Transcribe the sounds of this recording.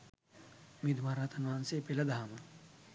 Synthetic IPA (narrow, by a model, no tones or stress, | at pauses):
mid̪ʱmaːɾat̪ɐnʋaːnsepelɐd̪ʱaːmɐ